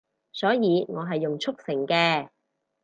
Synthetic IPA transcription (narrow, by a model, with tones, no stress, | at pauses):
sɔː˨˥jiː˨˧ŋɔː˨˧ɦɐ˨jːʊ˨ŋt͡ʃʰʊ˥k̚sɪ˨˩ŋkɛː˧